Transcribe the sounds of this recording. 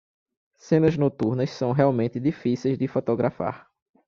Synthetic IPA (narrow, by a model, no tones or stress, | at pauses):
sẽnɐznot̪uɾnɐssɐ̃w̃ɦɛawmẽnt̪ɪd̪ifisejzd̪ɪfot̪oɡɾʔafa̰ɾ